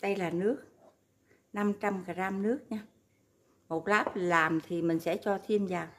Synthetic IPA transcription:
ɗə˧jlaː˨˩nɨ˦˥ək̚ | na˧mt͡ɕa˧mkaː˨˩zaː˧mnɨ˦˥ək̚ɲaː˧ | mo˨˩t̚laː˦˥p̚laː˨˩mt̪ʰi˨˩mï˨˩ŋ̟sɛ̰˧˥t͡ɕɔ˧t̪ʰi˧əmzaː˨˩w

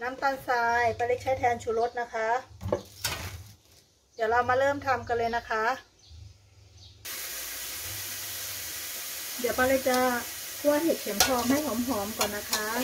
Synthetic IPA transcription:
na˦˥mt̪aː˧nsaː˧jpa˧jle˦˥k̚t͡ɕʰa˦˥jt̪ʰɛː˧nt͡ɕʰuː˧˩lo˦˥t̪̚na˦˥kʰa˦˥ʔ | jaː˨˩la˧wmaː˧lɤː˥˩mt̪ʰa˧mka˧lɤː˧jna˦˥kʰa˦˥ʔ | daː˨˩pa˧la˧˩t͡ɕaː˧kʰu˧a˧˥˩ɦe˨˩t̪̚kʰe˩˦mt͡ɕʰɔː˧˩p̚ma˥˩jɦɔː˩˦mɦɔː˩˦mkɔː˨˩nːa˦˥kʰa˦˥

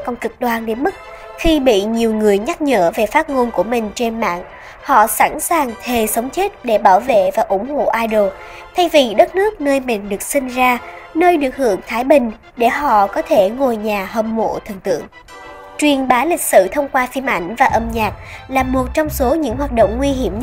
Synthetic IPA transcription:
kɔ˧wnkɨ˨˩k̚ɗwaː˧˩nɗe˨˦nmɨ˦˥t̚ | xi˧ɓḭ˧˨ɲi˨˩əwŋɨ˨˩əjɲa˦˥t̚ɲəː˧˥ve˨˩faː˦˥t̚ŋo˧nku˧˩əmï˨˩ŋ̟t͡ɕe˧nma̰ː˧˨ŋ | hɔ̰˧˨sa˧˥nsaː˨˩ŋt̪ʰe˨˩sə˨˦wŋ͡mt͡ɕe˦˥t̚ɗe˧˩ɓaː˧˩wvḛ˧˨vaː˨˩ʔʊ˧˩˥ŋ͡mho̰˧˨ʔaː˧jɗo˨˩ | t̪ʰa˧jvi˨˩ɗə˦˥t̚nɨ˦˥ək̚nəː˧jmï˨˩ŋ̟ɗɨ˨˩ək̚sï˧ŋ̟zaː˧nəː˧jɗɨ˨˩ək̚hɨ̰˧˩əŋt̪ʰaː˨˦jɓï˨˩ŋ̟ | ɗe˧˩ɦɔ̰˧˨kɔ˨˦t̪ʰe˧˩ŋo˨˩jɲaː˨˩ɦə˧˩mmo̰˧˨t̪ʰɨ˨˩ŋt̪ɨ̰˧˨əŋ | t͡ɕwi˨˩ənɓaː˨˦lï˨˩k̟̚sɨ̰˧˨t̪ʰə˧wŋ͡mkwaː˧fi˧əmʔa˧˩jŋ̟vaː˨˩ʔə˧mɲaː˨˩k̚laː˨˩mo˨˩t̚t͡ɕɔ˧wŋ͡mso˨˦ɲɨ̰˧˥ŋhwaː˨˩t̚ɗo̰˧˨wŋ͡mŋwi˧ɦi˧˩əm

